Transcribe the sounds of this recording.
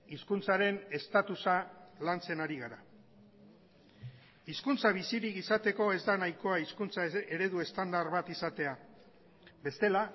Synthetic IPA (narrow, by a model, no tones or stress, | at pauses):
iskunt͡saɾe̞ne̞st̪at̪usalant͡se̞naɾiɣ̞aɾa | iskunt͡saβ̞isiɾikisat̪e̞ko̞e̞zd̪anajko̞aiskunt͡saeɾe̞ðue̞st̪and̪aɾβat̪isat̪e̞a | βe̞st̪e̞la